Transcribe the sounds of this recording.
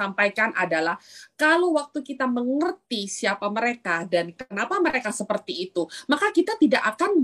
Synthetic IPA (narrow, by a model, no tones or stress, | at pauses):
ampajkanʔadalahkalowwak̚t̪ukit̪aməŋərt̪isiapaməɾekadankənapaməɾekasəpərt̪iːt̪umakakit̪at̪idaʔakan